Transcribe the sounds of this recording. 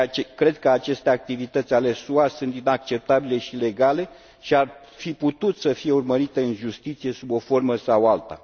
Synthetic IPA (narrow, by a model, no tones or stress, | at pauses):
t͡ʃkɾe̞d̪̚kəat͡ʃe̞st̪eak̚t̪ivit̪ət̪sʲale̞suasunt̪inak̚t͡ʃe̞p̚t̪abile̞ʃile̞ɡale̞ | ʃiar | fiput̪ut̪səfije̞urməɾit̪e̞ɨnʒust̪it̪sijesubo̞fo̞rməsawalt̪a̰